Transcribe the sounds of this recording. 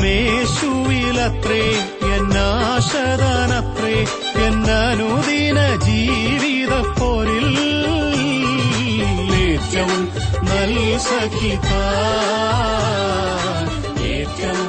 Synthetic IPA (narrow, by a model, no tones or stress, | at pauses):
meʂuʋilɐt̪re | enːaːʂɐðaːnɐt̪re | enːɐnuðinɐd͡ʑiːʋiðɐpːoːɾil | leːt̪ːɐm | nɐlsɐkːit̪aː | eːtːɐm